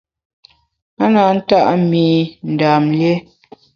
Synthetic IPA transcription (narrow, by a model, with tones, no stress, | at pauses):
a˦na˨˦n̩˦ta˦˨ʔmi˨n̩˨daː˨mlje˦